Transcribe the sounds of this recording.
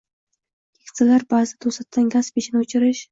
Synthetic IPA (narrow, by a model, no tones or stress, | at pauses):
kʰʲe̥k̪ʰʲsɪlaɾbazɪt̪ʰosat̪ʰːanɡʲaspiʃɪnɪʊt͡ʃʰɪɾɪʃ